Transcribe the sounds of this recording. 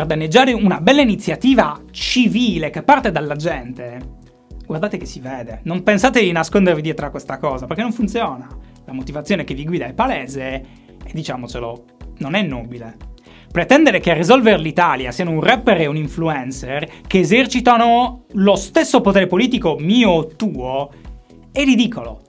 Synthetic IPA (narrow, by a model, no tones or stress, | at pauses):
erd̪anːed͡ʒːaːɾeunabɛlːainit̪sːjat̪iːvat͡ʃiviːlekepːart̪ed̪alːad͡ʒɛnt̪e | ɡward̪aːt̪ekesːivɛːd̪enompensaːt̪ed̪inaskond̪ervid̪jɛːt̪ɾoakːwest̪akɔːzaperkenːõɱfunt̪sjɔːna | lamot̪ivat̪sːjoːnekevːiɡwiːd̪ailpalɛːze | ed̪ːit͡ʃaːmot͡ʃelo | nonɛnːobile | pɾet̪ɛnd̪eɾekerːizɔlverlit̪aːljasiːanounrɛpːeɾeuniɱfluɛnserkeːzert͡ʃit̪anolost̪esːopot̪ɛːɾepoliːt̪ikomiːot̪uːo | ɛrːid̪iːkʰolo̰